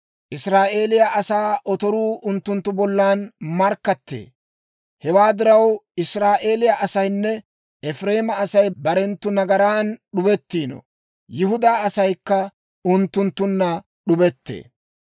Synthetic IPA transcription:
ʔɪsɾaːʔe̞ːlɪjaʔɐsaːʔɔt̪ɔɾuːʔʊnt̪ːʊnt̪ːʊbɔlːaːnmɐɾkːɐt̪ːḛː | hɛwaːd̪ɪɾɐwɪsɾaːʔe̞ːlɪjaʔɐsɐjnːɛ | ɛfɾe̞ːmɐːsɐjbɐɾɛnt̪ːʊnɐɡɐɾaːnɗʊbɛt̪ːiːnɔ̰ | jɪɦʊd̪aːɐsɐjkːɐ | ʊnt̪ːʊnt̪ːʊnːɐ | ɗʊbɛt̪ːḛː

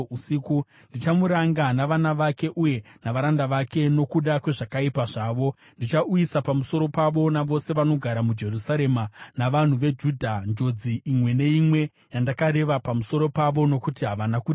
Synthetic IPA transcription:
usiku | ndit͡ʃamuɾaŋɡanaʋanaʋake̞ʔuje̞naʋaɾandaʋake̞no̞kuɗakwe̞ʐakaipaʐaːʋo̞ | ndit͡ʃaujisapamuso̞ɾo̞paʋo̞naʋo̞se̞ʋano̞ɡʱaɾamud͡ʒe̞rusaɾe̞manaʋan̤uʋe̞d͡ʒudʱand͡ʒo̞d͡ziʔimwe̞ne̞imwe̞ | jandakaɾe̞ʋapamuso̞ɾo̞paʋo̞no̞kutiɦaʋanakuːi

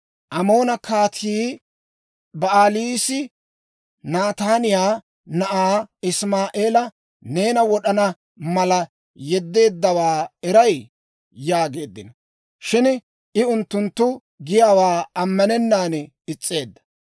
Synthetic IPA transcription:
ʔɐmo̞ːnɐkʰaːt̪ʰiː | bɐaːliːsɪ | naːt̪aːnɪjaː | nɐʔaːɪsmaːʔeːlɐ | ne̞ːnɐwɔɗɐnɐ | mɐlɐ | jɛd̪ːe̞ːd̪ːɐwaːɛɾɐj | jaːɡe̞ːd̪ːɪnɐ | ʃɪn | ʔɪʊnt̪ːʊnt̪ːʊ | ɡɪjaːwaːɐmːɐnɛnːaːn | ɪt͡sʼːe̞ːd̪ːɐ̥

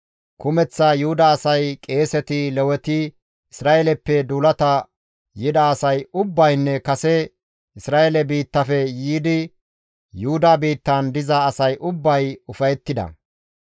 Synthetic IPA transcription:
kʊmɛt͡sːɐjʊhʊd̪aːsɐjkʼe̞ːsɛt̪ɪlɛwɛt̪ɪ | ɪsɾaːʔelɛpːɛd̪uːlɐt̪ɐ | jɪd̪ɐːsɐjʊbːɐjnːɛkɐsɛ | ɪsɾaːʔelɛbiːt̪ːɐfɛjiːd̪ɪ | jʊhʊd̪abiːt̪ːɐnd̪ɪzɐːsɐjʔʊbːɐjʊfɐjɛt̪ːɪd̪ɐ̰

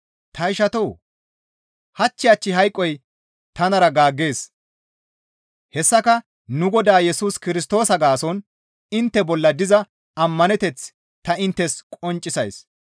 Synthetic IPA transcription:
t̪ɐɪʃɐt̪oː | hɐt͡ʃːɪjɐt͡ʃːɪɦɐjkʼːɔj | t̪ɐnɐɾɐɡaːɡːe̞ːs | hɛsːɐkɐ | nʊɡɔd̪aːjɛsuːskɪɾɪst̪o̞ːsɐɡaːsɔn | ɪnt̪ːɛbɔlːɐd̪ɪzɐ | ɐmːɐnɛt̪ɛt͡s | t̪ɐɪnt̪ːɛskʼɔnt͡ʃʼɪsɐjs

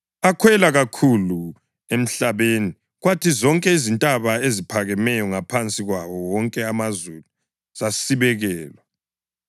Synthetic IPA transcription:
akʰwɛlaɣakʰulu | em̩ɬaβeni | ɣwatʰizɔŋkʼɛizintʼaβaezipʰaɣɛmɛjɔŋapʰant͡sʼiɣwaβɔwɔŋkʼɛamazulu | z̥asiβɛɣɛːlwɛ

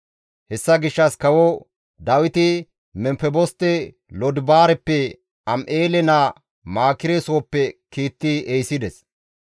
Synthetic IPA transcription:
hɛsːɐɡɪʃːɐskɐwɔ | d̪ɐwɪt̪ɪ | mɛmpɛbɔst̪ːɛ | lɔd̪baːɾɛpːɛ | ɐmʔeːlɛnɐ | maːkɪɾesowːpːɛkiːt̪ːɪejsɪd̪ɛs

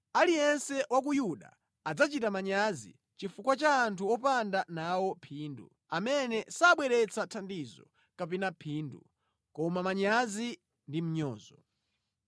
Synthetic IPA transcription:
alijɛnsɛwak̬ujuɗa̰ | ad͡zat͡ʃitamaɲazḭ | t͡ʃifukwat͡ʃaːntʰuɔpandanawɔpʰiːndṵ | amɛnɛsaɓwɛɾɛt͡sʰatʰandizɔ̰ | kapinapʰindṵ | kɔmamaɲazi | ndim̩ɲɔːzɔ

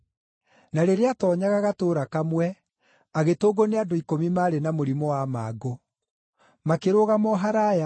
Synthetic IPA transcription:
naɾeɾeatɔːɲaɣaɣatoːɾakamwɛ | aɣetoːɡoneadoikomimaːɾenamoɾimɔwama̰ɡo | makeɾoɣamɔɦaɾaja

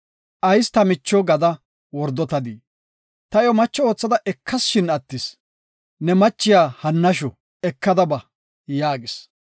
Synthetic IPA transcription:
ʔɐjst̪ɐmɪt͡ʃːɔɡɐd̪ɐ | wɔɾd̪ːɔt̪ɐd̪i | t̪ɐjɔmɐt͡ʃːɔoːt͡sːɐd̪ɐʔɛkʰːɐsʃɪnɐt̪ːɪs | nɛmɐt͡ʃːɪjaːhɐnːɐʃɔ | ɛkːɐd̪ɐbɐ | jaːɡɪs

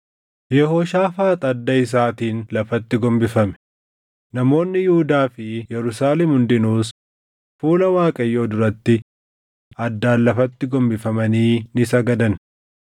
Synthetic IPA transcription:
jɛhoːʃaːfaːt̪ʼɐd̪ːɐɪs̬aːt̪iːnlɐfɐt̪ːɪɡɔmbɪfɐmɛ̥ | nɐmo̞ːnːɪjɪhʊd̪aːfɪjɛɾʊsaːlɛmhʊnd̪ɪnuːs | fuːlɐwaːkʼɐjːo̞ːd̪ʊɾɐt̪ːɪ | ɐd̪ːaːnlɐfɐt̪ːɪɡɔmbɪfɐmɐniːnɪsɐɡɐd̪ɐn

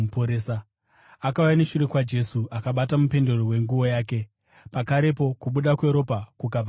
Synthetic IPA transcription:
poɾesa | akaujaneʃuɾe̞kwad͡ʒe̞suʔakaɓatamupe̞ndo̞ɾowe̞ŋɡuwo̞jaːk̬e̞ | pakaɾe̞po̞kuɓuɗakwe̞ɾo̞pakukaa

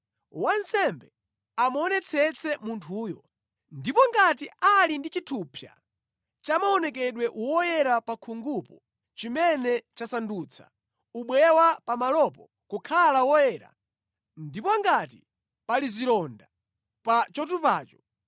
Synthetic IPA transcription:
wansɛmbɛ | amɔnɛt͡sʰɛt͡sʰɛmuntʰuːjɔ | ndipɔŋɡatiʔalindit͡ʃitʰupʰja̰ | t͡ʃamaɔnɛkɛɗwɛʔuwɔjɛɾapakʰuŋɡupɔ | t͡ʃimɛnɛt͡ʃasandut͡sʰḁ̰ | uɓwɛwapamalɔpɔ | kukʰalawɔjɛːɾa̰ | ndipɔŋɡati | paliziɾɔnda | pat͡ʃɔtupaːt͡ʃɔ̥

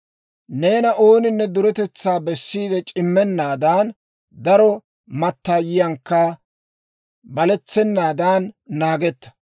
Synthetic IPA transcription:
ne̞ːnɐʔo̞ːnɪnːɛd̪ʊɾɛt̪ɛt͡sːaːbɛsːiːd̪ɛt͡ʃʼɪmːɛnːaːd̪aːn | d̪ɐɾɔ | mɐt̪ːaːjɪjɐŋkːɐ | bɐlɛt͡sːɛnːaːd̪aːnːaːɡɛt̪ːɐ̥

